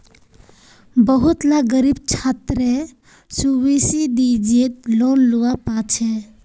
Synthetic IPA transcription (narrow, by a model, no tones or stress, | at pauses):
bəɦut̪laɡəɾibt͡ʃʰat̪ɾe | suʋisid̪id͡ʒet̪lonluapat͡ʃʰɛ